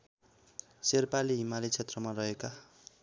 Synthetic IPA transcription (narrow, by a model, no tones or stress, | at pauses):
serpaliɦimalit͡sʰet̪rʌmarʌɦeka